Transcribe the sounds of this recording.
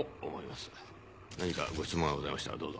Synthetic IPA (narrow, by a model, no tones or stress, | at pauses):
omo̞imasɨ̥ | naɲ̟ika̰ɡo̞çʲi̥t͡sɨmõaɡo̞zaimaɕi̥t̪a̰d̪o̞ːzo